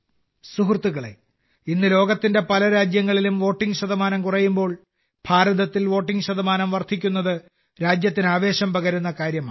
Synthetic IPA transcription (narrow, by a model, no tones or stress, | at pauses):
suɦrt̪ːuɣɐɭe̞̰ | inːɨlo̞ːɡɐt̪ːinde̞pɐlɐɾaːd͡ʑjɐŋːɐɭilumʋo̞ːʈːiŋɡɕɐd̪ɐmaːnɐmkurɐjːumbo̞ːɭ | b̥ʱaːɾɐðɐt̪ːilʋo̞ːʈːiŋɡɕɐd̪ɐmaːnɐmʋɐrd̪ʰʱikʲːunːɐðɨ | ɾaːd͡ʑjɐt̪ːinaːʋe̞ːɕɐmpɐɣɐɾunːɐkaːɾjɐmaː